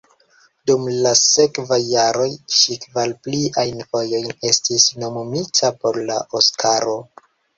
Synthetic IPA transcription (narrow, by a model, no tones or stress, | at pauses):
dumlase̞kvajːaɾo̞jʃikvalpliʔajnfo̞jo̞jne̞stisno̞mumitʰapo̞ɾla̰ʔoskʰaɾo̞